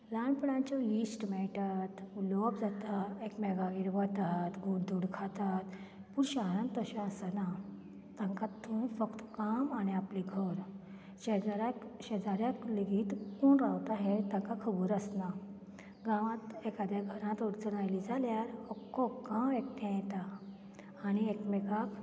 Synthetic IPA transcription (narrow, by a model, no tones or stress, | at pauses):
laɳpuɽãɲt͡ɕɔisʈmɛɭʈat̪ulɔpd͡zat̪aekmɛɡaʋiːɾʋət̪at̪ɡuɽd̪uɽkʰat̪at̪ | puːɾɕaaɾãnt̪əɕãəsəna | t̪ãŋkat̪ʰːuĩfəkt̪kamañiapliɡʱəɾ | ɕed͡zaɾaɕed͡zaɾjãt̪ləɡiːt̪kunɾawt̪aɦet̪ãŋkakʰəbuɾəsna | ɡãʋãt̪ekad̪jaɡʱəɾãt̪uɾt͡sənajlid͡zaljaɾɔkːɔkːãʋek̚t̪ʰẽjt̪aː | ñiekmɛɡak